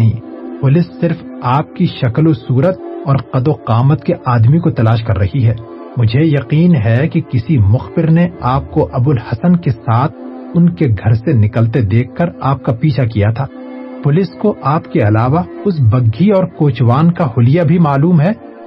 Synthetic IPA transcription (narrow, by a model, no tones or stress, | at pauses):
ɦĩːpʊlɪsːɪɾf | aːp̚kiʃɐklosuːɾət̪̚ɔːɾqɐd̪oqaːmət̪keʔaːd̪mikot̪ɐlaːʃ̬kɐɾːɐɦiɦɛː | mʊd͡ʒʱejɐqiːnɦɛkikɪsimʊxbɪɾneaːp̚koʔɐbʊlhɐsənkesaːt̪ʰ | ʊnkeɡʱɐɾsenɪkəlt̪ed̪eːkʰːɐɾaːp̚kapiːt͡ʃʰakijat̪ʰaː | pʊlɪskoʔaːpkeɐlaːʋaʊs̬bɐɡːiɔːɾkoːt͡ʃʋaːnkahʊlijabʱimaːluːmɦɛː